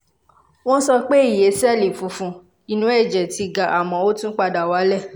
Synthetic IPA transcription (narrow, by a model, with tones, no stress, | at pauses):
w̃ɔ̃˦n̩˦sɔ˧k͡pe˦i˦˨je˨˦si˦ɛ˦˨li˨fũ˨˦fũ˧ | i˨nũ˨˦ɛ˦˨d͡ʒɛ˨ti˨˧ɡa˨ʔa˨mɔ̃˨˦o˦tũ˦k͡pa˧da˨wa˨˦lɛ˦˨